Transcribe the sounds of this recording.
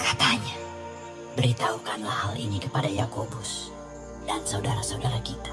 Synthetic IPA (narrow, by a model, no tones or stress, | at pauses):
kat̪aɲa | bəɾit̪aukanlahalʔḭnikəpadajakobʊs | dansaudaɾasaudaɾakit̪ḁ